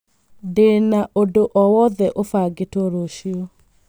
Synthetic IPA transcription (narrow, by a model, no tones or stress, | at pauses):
denaʔodoʔɔwɔðɛʔofaɡetoɾoʃio